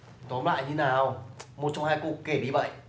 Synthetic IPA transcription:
t̪ɔ˨˦nla̰ː˧˨jɲɨ˧naː˨˩wmo˨˩t̚t͡ɕɔ˧wŋ͡mhaː˧jkṵ˧˩kke˧˩ɗi˧və̰˧˨jʔ

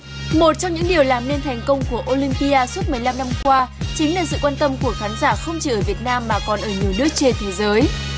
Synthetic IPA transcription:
mo˨˩t̚t͡ɕɔ˧wŋ͡mɲɨ̰˧˥ŋɗi˨˩əwlaː˨˩mne˧nt̪ʰɛ˨˩jŋ̟kə˧wŋ͡mku˧˩əʔo˧li˧mpi˧aː˧su˦˥ət̚m˨˩əjla˧mna˧mkwaː˧t͡ɕï˨˦ŋ̟laː˨˩sɨ̰˧˨kwaː˧nt̪ə˧mku˧˩əxaː˨˦nzaː˧˩xə˧wŋ͡mt͡ɕi˨˩ʔəː˧˩vi˨˩ət̚naː˧mːaː˨˩kɔ˨˩nʔəː˧˩ɲi˨˩əwnɨ˦˥ək̚t͡ɕe˧nt̪ʰe˨˦jzəː˨˦j

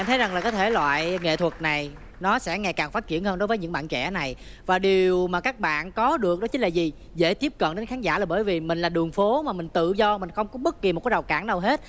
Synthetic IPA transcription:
ʔa˧nt̪ʰə˨˦jza˨˩ŋlaː˨˩kɔː˨˦jt̪ʰe˧˩lwa̰ː˧˨jŋḛ˧˨t̪ʰwə˨˩t̚na˨˩j | nɔ˨˦sɛ̰˧˥ŋa˨˩jkaː˨˩ŋfaː˦˥t̚t͡ɕi˧˩ənhəː˧nɗo˨˦jvəː˨˦jɲɨ̰˧˥ŋɓa̰ː˧˨t͡ɕɛ̰˧˥na˨˩j | vaː˨˩ɗi˨˩əəwmaː˨˩kaː˦˥k̚ɓa̰ː˧˨nkɔ˨˦ɗɨ˨˩ək̚ɗɔ˨˦t͡ɕï̟˨˦laː˨˩zi˨˩ | zḛ˧˥˩t̪i˦˥p̚kə̰˧˨nɗe˨˦nxaː˨˦nzaː˧˩laː˨˩ɓəː˧˩jvi˨˩mï˨˩ŋ̟laː˨˩ɗɨ˨˩əŋfo˨˦maː˨˩mï˨˩ŋ̟t̪ɨ̰˧˨zɔ˧mï˨˩ŋ̟xə˧wŋ͡mkɔ˨˦ɓə˦˥t̚ki˨˩m̚˨˩kːɗa˨˩wkaː˧˩nɗə˨˩wɦe˦˥t̚

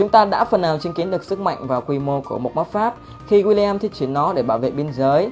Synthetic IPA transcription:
t͡ɕʊ˨˦ŋ͡mt̪aː˧ɗa̰ː˧˥fə˨˩naː˨˩wt͡ɕi˨əŋki˨˦ənɗɨ˨˩ək̚sɨ˦˥k̚ma̰˧˨jŋ̟vaː˨˩wkwi˧mo˧ku˧˩əmo˨˩t̚mə˦˥t̚faː˦˥p̚ | xi˧ɣwi˧li˧ɛː˧mt̪ʰi˦˥ət͡ɕi˧˩ənːɔ˨˦ɗe˧˩ɓaː˧˩wvḛ˧˨ɓi˧ənzəː˨˦j

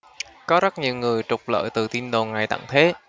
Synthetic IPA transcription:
kɔ˨˦zə˦˥t̚ɲi˨˩wŋɨ˨˩əjt͡ɕʊ˨˩k͡p̚lə̰ː˧˨jt̪ɨ˨˩t̪i˧nɗo˨˩ŋa˨˩jt̪a̰˧˨ŋt̪ʰe˨˦

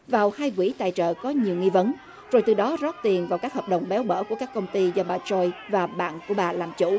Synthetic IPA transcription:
vaː˨˩whaː˧jkwḭ˧˩t̪a̰ː˧˨jt͡ɕə̰ː˧˨kɔ˨˦ɲi˨˩əwŋi˧və˨˦n | zo˨˩jt̪ɨ˨˩ɗɔ˨˦zɔ˦˥t̚t̪i˨˩ənvaː˨˩wkaː˦˥k̚həː˨˩p̚ɗə˨˩wŋ͡mɓɛ˨˦wɓə̰ː˧˩ku˧˩əkaː˦˥k̚ːə˧wŋ͡mt̪i˧zɔ˧ɓaː˨˩t͡ɕɔ˧jvaː˨˩ɓa̰ː˧˨nku˧˩əɓaː˨˩laː˨˩mt͡ɕṵ˧˩˥

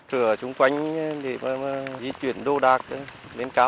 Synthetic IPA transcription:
t̪ɨ˧˩ət͡ɕʊ˨˧˦ŋ͡mkwa˨˧˦jŋ̟˧ɗe˧˩maː˨˩maː˨˩zi˧t͡ɕwḭ˧˩ənɗo˧ɗaː˨˩k̚ | le˨˧˦nkaː˧˦

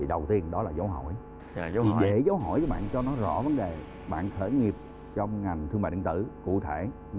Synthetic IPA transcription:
i˨˩ɗə˨˩wt̪i˧ənɗɔ˨˦laː˨˩za˨˦wɦɔ̰˧˩˨j | i˨˩˨ve˨˧˩zaː˨˦wɦɔ̰˧˨jt͡ɕə˨˦ɓa̰ː˧˨nt͡ɕɔ˧nɔ˨˦zɔ̰˧˥və˨˦nɗe˨˩ | ɓa̰ː˧˨nxʰə˧˩ŋi˨˩əp̚ | t͡ɕɔ˧wŋ͡mŋa˨˩jŋ̟t̪ʰɨ˧ŋmaː˧˨˩ə˧˩ŋt̪ɨ̰˧˩kṵ˧˨t̪ʰe˧˩˨

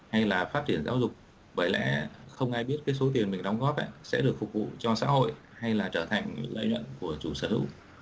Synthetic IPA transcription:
ha˧jlaː˨˩faː˦˥t̚t͡ɕi˧˩ənzaː˨˦wzʊ˨˩k͡p̚ | ɓəː˧˩jlɛ̰˧˥xə˧wŋ͡mʔaː˧jɓi˦˥ət̚kaː˨˦jso˨˦t̪i˨˩ənmï˨˩ŋ̟ɗɔ˨˦wŋ͡mɣɔ˦˥p̚ʔɛ̰˧˩˥sɛ̰˧˥ɗɨ˨˩əkfʊ˨˩k̚vṵ˧˨t͡ɕɔ˧sa̰ː˧˥ho̰˧˨j | ha˧jlaː˨˩t͡ɕəː˧˩t̪ʰa˨˩jŋ̟lə̰˧˨jɲwə̰˧˨nku˧˩ət͡ɕu˧˩səː˧˩hɨ̰˧˥w

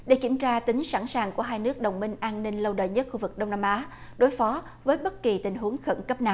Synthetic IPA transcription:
ɗe˧˩kḭ˧˩əmt͡ɕaː˧t̪ï˨˦ŋ̟sa̰ː˧˩nsaː˨˩ŋku˧˩əɦaː˧jnɨ˦˥ək̚ɗə̰˨wŋ͡mmï˧ŋ̟ʔaː˧nnï˧ŋ̟lə˧wɗə̰ː˧˨jɲə˦˥t̚xu˧vɨ˨˩k̚ɗə˧wŋ͡mnaː˧mʔaː˨˦ | ɗo˨˦jfɔ˨˦ | vəː˨˦jɓə˦˥t̚ki˨˩t̪ï˨˩ŋ̟ɦu˨˦əŋxə̰˧˩nkə˦˥p̚naː˨˩w

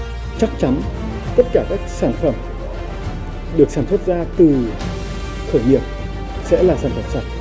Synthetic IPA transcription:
t͡ɕa˦˥k̚t͡ɕa˨˦n | t̪ə˦˥t̚kaː˧˩kaː˦˥k̚saː˧˩nfə˧˩m | ɗɨ˨˩ək̚saː˧˩nmswe˦˥t̚zaː˧t̪ɨ˨˩ | xʰəː˧˩jŋi˨˩əp̚ | sɛ̰˧˥laː˨˩saː˧˩nfə˧˩msa˨˩t̚

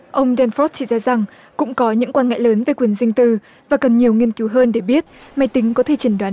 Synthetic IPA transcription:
ʔə˧wŋ͡mɗɛ˧nfɔ˦˥t̚t͡ɕi˧˩zaː˧za˨˩ŋ | kʊ̰˧˥ŋ͡mkɔ˨˦ɲɨ̰˧˥ŋkwaː˧nŋa̰ː˧˨jləː˨˦nveː˨˩˦kwi˨˩ənzï˧ŋ̟t̪ɨ˧˩ | vaː˨˩kə˨˩nɲi˨˩əwŋi˧ənki˨˦wɦəː˧nɗe˧˩ɓi˦˥ət̚ma˨˩jt̪ï˨˦ŋ̟kɔ˨˦t̪ʰe˧˩t͡ɕi˨˧˩ŋɗwaː˨˦

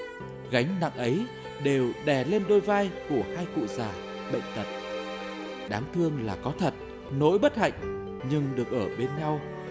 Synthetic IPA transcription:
ɣa˨˦jŋ̟na̰˧˨ŋʔə˨˦j | ɗe˨˩wɗɛ˧˩le˧nɗo˧jvaː˧jku˧˩əhaː˧jkṵ˧˨zaː˨˩ | ɓə̰˧˨jŋ̟t̪ə˨˩t̚ | ɗaː˨˦ŋt̪ʰɨ˧əŋlaː˨˩kɔ˨˦t̪ʰə˨˩t̚ | no̰˧˥jɓə˦˥t̚ha̰˧˨jŋ̟ | ɲɨ˧ŋɗɨ˨˩ək̚ʔəː˧˩ɓe˧nɲa˧w

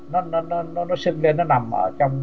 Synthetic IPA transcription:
nɔ˦nɔ˧nɔ˦nɔ˦nɔ˦si˧t̪̚li˧nɔ˦na˨ma̰˧˩t͡ɕa˧m

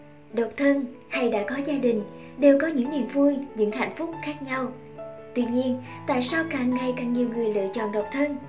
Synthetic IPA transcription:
ɗə˨˩wk͡p̚t̪ʰə˧n | ha˧jɗa̰ː˧˥kɔ˨˦zaː˧ɗï˨˩ŋ̟ | ɗe˨˩wkɔ˨˦ɲɨ̰˧˥ŋnḭ˧˨mvu˧jɲɨ̰˧˥ŋha̰˧˨jŋ̟fʊ˦˥k͡p̚xaː˦˥k̚ɲa˧w | t̪wi˧ɲi˧ən | t̪a̰ː˧˨jsaː˧wkaː˧˩ŋːa˨˩jka˨˩ŋɲi˨˩əwŋɨ˨˩əjlɨ̰ː˧˨ət͡ɕɔ̰˧˨nɗə˨˩wk͡p̚t̪ʰə˧n

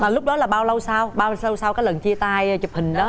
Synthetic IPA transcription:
maː˨˩lʊ˦˥k͡p̚ɗɔ˨˦laː˨˩ɓaː˧wlə˧wsaː˧wɓaː˧ə˧wsaː˧wkaː˨˦jlə˨˩nt͡ɕi˧ət̪aː˧jt͡ɕə˨˩p̚hï˨˩ŋ̟ɗɔː˨˦

